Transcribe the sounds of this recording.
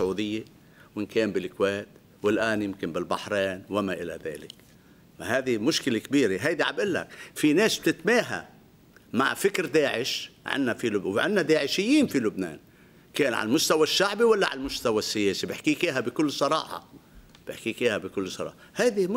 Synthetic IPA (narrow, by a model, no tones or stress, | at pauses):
sʊʕuːd̪ɪjːe | wɪnkeːmbɪlkweːt̪ | wɪlʔaːnjɪmkɪnbɪlbaħɾeːnwɪmaʔɪla̰ða̰ːlɪk | ahaːd̪imʊʃkɪlekbiːɾeɦajd̪iʕa̰bʔɪlːa̰kfineːsb̥̚t̪ɪt̪meːɦa̰ | ma̰ʕfɪkɾd̪aːʕɪʃʕɪ̰nːafilʊwʕɪ̰nːad̪aːʕɪʃɪjːiːnfilʊbnḛːn | keːnʕa̰lmʊst̪awaʃːaʕbiwalːaʕa̰lmʊst̪awasːɪjeːsibɪħkiːkiːɦabɪkʊlːsˤɑɾˤɑ̰ːħɑ̰ | b̥ɪħkiːkiːhabɪkʊlːsˤɑɾˤɑ̰ːħɑhajd̪im